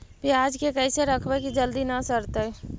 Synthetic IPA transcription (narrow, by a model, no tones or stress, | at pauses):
pʰiad͡ʒkekəjseɾəkʰbɛkid͡ʒəld̪inasəɾt̪ə